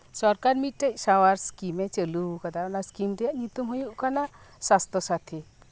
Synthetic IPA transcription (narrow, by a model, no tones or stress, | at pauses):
sɔɾkaɾmit̪̚ˀʈec̚ˀsawaɾskimet͡ʃəlukad̪aʔɔnaskimd̪ɛjaʔɲut̪umɦujuʔkana | sast̪ɔsat̪ʰi